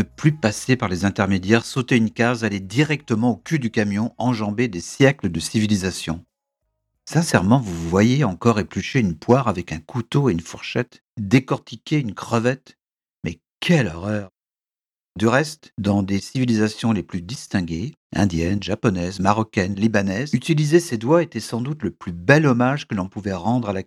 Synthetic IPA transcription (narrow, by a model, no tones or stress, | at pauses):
nəplypasepaʁlezɛ̃t̪ɛʁmed̪jɛʁsot̪eynkazaled̪iʁɛk̚t̪əmɑ̃okʲyd̪ykamjɔ̃ɑ̃ʒɑ̃bed̪esjɛkləd̪əsivilizasjɔ̰̃ | sɛ̃sɛʁmɑ̃vuvwajeɑ̃kɔʁeplyʃeynpwaʁavɛkɛ̃kut̪oeynfuʁʃɛt̪ | d̪ekɔʁt̪ʰikʲʰeynkχəvɛt̪ | mɛ | kʲʰɛlɔʁœʁ | d̪yʁɛst̪d̪ɑ̃d̪esivilizasjɔ̃leplyd̪ist̪ɛ̃ɡʲe | ɛ̰̃d̪jɛnʒapɔnɛzmaʁɔkʲɛnlibanɛzyt̪ilizesed̪waet̪ɛsɑ̃d̪ut̪ləplybɛlɔmaʒkəlɔ̃puvɛʁɑ̃d̪ʁala